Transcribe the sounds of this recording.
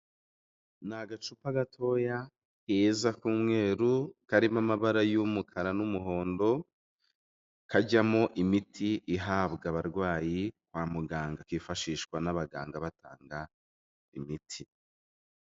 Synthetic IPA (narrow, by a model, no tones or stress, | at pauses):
naɡat͡ʃupaɡatʰo̞ja | kezakuːmŋe̞ːɾukaɾimamaβaɾajumukʰaɾanumuɦo̞ːndo̞ | kaɟamoʔimitʰiʔiɦaːbɡaβaɾɡwaːjikwaːmuɡaːŋɡakifaʃiːʃkwanaβaɡa̰ːŋɡaβata̰ːŋɡa | imitʰi